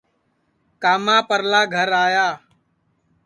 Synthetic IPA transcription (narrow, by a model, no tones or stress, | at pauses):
kaːmãːpəɾlaːɡʱəɾaːjaː